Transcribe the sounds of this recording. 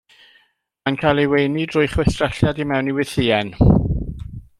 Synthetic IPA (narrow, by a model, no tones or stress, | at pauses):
mankʰajlˠiwejnidrʊɨjχwɛθtrɛɬjadimɛwniwɪθiːɛn